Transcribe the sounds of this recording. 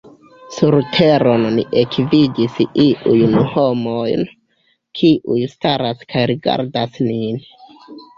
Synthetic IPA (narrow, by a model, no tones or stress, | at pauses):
suɾtʰeɾo̞nːḭʔekvidisiʔujnho̞mojn | kʰiʔujstaɾaskʰajɾiɡa̰ɾdasnin